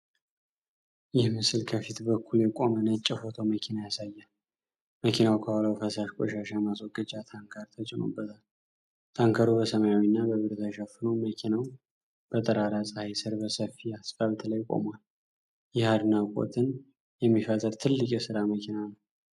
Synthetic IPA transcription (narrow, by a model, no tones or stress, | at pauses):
jɪhmɨsɨlkʰəfit̪bəkʰːuljɛkʼo̞mənət͡ʃʼːɪfo̞t̪ʰoməkʰinajasajːal | məkʰinawkʰəwaləwfəsaʃkʷʼo̰ʃaʃajmaswɔɡʼəd͡ʒʼat̪ʰaŋkʰəɾt̪ʰət͡ʃʼɪno̰bːət̪ʰal | t̪ʰaŋkʰəɾubəsəmajawinːabəβɨɾt̪ʰəʃəfːɨnoməkʰinaw | b̥ət̪ʼəɾaɾasʼɨhajsɨɾbəsəfːiasfaβt̪ʰlajkʼo̞̰mwal | jɪhad̪nakʼo̰t̪ʰɨn | jɛmːifət̪ʼːəɾt̪ʰɨlːɨkʼjɛsɨɾaməkʰinanəw